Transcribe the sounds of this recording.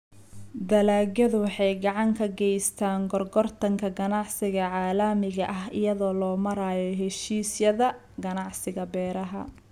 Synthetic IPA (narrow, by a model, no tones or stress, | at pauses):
d̪ɐlaːɡɐðʊwɑħɑjɡɑʕɑŋkʰɐɡɛjst̪ʰaːŋɡɔrɡɔrt̪ʰɐŋkʰɐɡɐnɑʕsɪɣɐʕaːlɐmɪɣɐʔɐɦɪ̰jɐðɔːlɔːmɐɾaːjɔɦɛʃiːsjɐðɐ | ɡɐnɑʕsɪɣɐbɛːɾɐɦɐ̰